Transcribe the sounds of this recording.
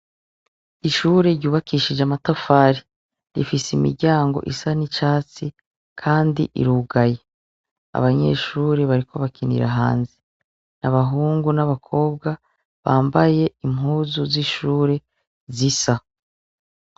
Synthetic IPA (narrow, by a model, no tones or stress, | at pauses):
iʃuːɾe̞ɾɟuːβakʰiːʃid͡ʒamatofaːɾi | ɾḭfiseimḭɾɟaːŋɡo̞̰ʔisanit͡ʃaːt͡si | kʰaːndḭʔḭɾuɡaje̞ | a̰βaɲe̞̰ʃuːɾeβaɾikʰo̞βakinḭɾa̰ɦa̰ːnzi | naβaɦuːŋɡunaβakʰo̞ːb̚ɡa | βaːmbaje̞imhuːzuziʃuːɾe̞ | zisa